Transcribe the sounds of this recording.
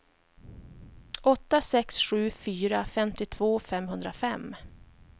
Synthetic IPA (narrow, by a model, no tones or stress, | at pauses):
ɔt̪ːasɛksɧʉ̟ːfyːɾafɛmt̪ɪt̪ʰv̥oːfɛmɦɵnd̪ɾafɛm